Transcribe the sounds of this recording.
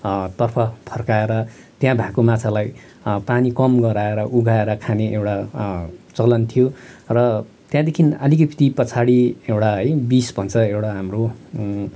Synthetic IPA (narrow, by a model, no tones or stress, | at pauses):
t̪ʌrpʰʌpʰʌrkaeɾʌ | t̪jãbʱãkomat͡sʰalaj | panikʌmɡʌɾaeɾʌʔuɡʱaeɾʌkʰaneʔewʈa | t͡sʌlʌnt̪ʰijorʌ | t̪jãd̪ekʰinʌlik̬ʌpʰi̥t̪ipʌt͡sʰaɽiewʈaɦʌjbisbʱʌnt͡sʰʌewɽaɦamro